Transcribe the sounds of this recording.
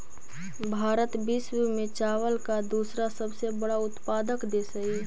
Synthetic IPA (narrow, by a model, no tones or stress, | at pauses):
bʱaːɾət̪biːswemẽt͡ʃaːʋəlkad̪uːsɾasəbsebəɽaʊt̪paːd̪əkd̪eːsəi